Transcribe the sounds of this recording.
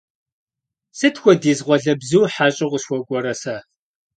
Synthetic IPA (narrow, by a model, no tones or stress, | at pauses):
sɨtxʷɔdiːzʁʷɔɮɐbzuwħaːɕʼɪʁʷʊɕwʷɔɡʷʼɔɾɐsaː